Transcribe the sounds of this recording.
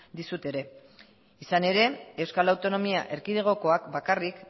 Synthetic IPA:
d̪isut̪e̞ɾe̞ | isane̞ɾe̞e̞wskalawt̪o̞no̞mia̰ʔe̞ɾkiðeɣ̞o̞ko̞akbakarik

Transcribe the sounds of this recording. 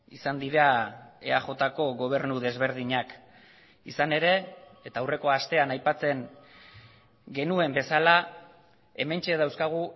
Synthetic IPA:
isand̪iɾae̞̰axo̞t̪ako̞ɣo̞β̞e̞ɾnuð̞e̞zβe̞ɾð̞iɲak | ḭsane̞ɾe̞ːt̪aːwre̞ko̞ast̪e̞anajpat͡se̞ŋ | ɡe̞nue̞mbe̞sala | e̞me̞nt͡ʃe̞ðawskaɣ̞u

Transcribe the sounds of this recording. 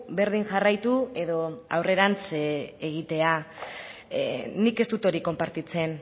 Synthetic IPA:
be̞ɾð̞iŋʝarajt̪ue̞ðo̞a̰wre̞ɾant͡seɣ̞it̪e̞a | nike̞st̪ut̪o̞ɾiko̞mpaɾt̪it͡se̞n

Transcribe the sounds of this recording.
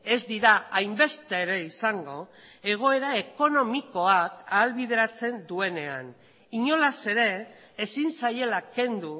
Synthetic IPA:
e̞zd̪iɾaajmbe̞st̪e̞ːɾe̞isaŋɡo̞e̞ɣ̞o̞e̞ɾae̞ko̞no̞miko̞akaːlβið̞e̞ɾat͡se̞nd̪ue̞ne̞a̰n | iɲo̞lase̞ɾe̞ː | sinsaje̞lake̞nd̪u

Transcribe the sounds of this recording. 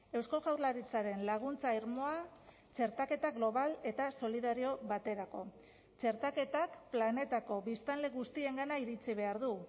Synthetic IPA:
e̞wsko̞ɣawɾlaɾit͡saɾe̞nlaɣ̞unt͡saiɾmo̞a | t͡ʃe̞ɾt̪ake̞t̪aɣlo̞β̞ale̞t̪aso̞liðaɾio̞βat̪e̞ɾako̞ | t͡ʃe̞ɾt̪ake̞t̪akplane̞t̪ako̞βist̪anle̞ɣust̪ie̞ŋɡanaiɾit͡siβ̞e̞aɾðu

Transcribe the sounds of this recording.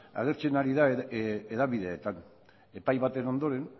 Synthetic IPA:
a̰ɣe̞ɾt͡senaɾiðaeeðaβiðe̞ːt̪an | e̞pajβat̪eno̞nd̪o̞ɾe̞n

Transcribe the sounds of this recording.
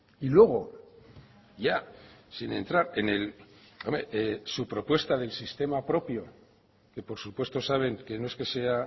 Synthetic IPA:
ilwe̞ɣ̞o̞ | ʝasinẽ̞̰nt̪ɾaɾe̞ne̞lomesupɾo̞pwe̞st̪aðe̞lsist̪e̞mapɾo̞pjo̞ | ke̞po̞ɾsupwe̞st̪o̞saβ̞e̞ŋke̞no̞e̞ske̞se̞a

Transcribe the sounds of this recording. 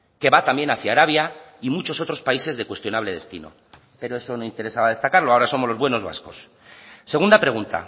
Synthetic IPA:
ke̞βat̪ambje̞naθjaːɾaβ̞jaimut͡ʃo̞so̞t̪ɾo̞spaise̞zðe̞kwe̞st̪jo̞naβle̞ð̞e̞st̪ḭno̞̰ | pe̞ɾoe̞so̞no̞int̪e̞ɾe̞saβað̞e̞st̪akaɾlo̞ao̞ɾaso̞moloβwe̞no̞zβa̰sko̞s | se̞ɣund̪apɾe̞ɣunt̪a̰

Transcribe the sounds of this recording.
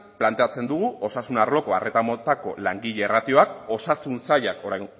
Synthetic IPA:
plant̪e̞at͡se̞nd̪uɣuʔo̞sasunaɾlo̞ko̞are̞t̪amo̞t̪ako̞laŋɡiʎe̞ːrat̪io̞ako̞sasunsaʎako̞ɾaj

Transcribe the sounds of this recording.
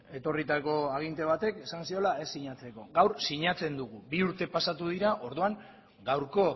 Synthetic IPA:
e̞t̪o̞rit̪ako̞aɣ̞int̪e̞β̞at̪e̞ke̞sansio̞lae̞sːiɲat͡se̞ko̞ɡawɾsiɲat͡se̞nd̪uɣ̞ubiuɾt̪e̞pasat̪uð̞iɾaʔo̞ɾðuaŋ | ɡawɾko̞

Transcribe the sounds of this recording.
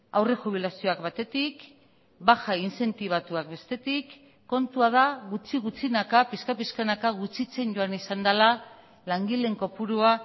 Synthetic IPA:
awre̞ʝuβ̞ilasio̞akβat̪e̞t̪ik | baxainse̞nt̪iβ̞at̪uak̚be̞st̪e̞t̪ikː | o̞nt̪uað̞aɣut͡siɣut͡sinakapiskapiskanakaɣ̞ut͡sit͡se̞nɟo̞anisand̪ala | laŋɡile̞ŋko̞puɾua

